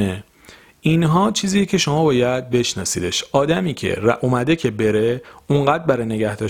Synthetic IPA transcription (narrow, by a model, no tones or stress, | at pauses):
e | inɦɒːt͡ʃʰiːziːjecʰe̞ʃomɒːbɒːjæd̪̚be̞ʃnɒ̰ːsiːd̪e̞ʃɒːd̪æmiːcʰe̞̰ɾʔomæd̪e̞cʰe̞be̞ɾe̞uɴɢæːd̪̚bæɾɒjne̞ɟæhd̪ɒː